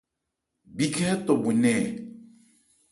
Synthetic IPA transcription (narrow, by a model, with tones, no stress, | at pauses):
bi˦˨kʰɛ˦t̪ɔ˨bu˨nɛ̃˨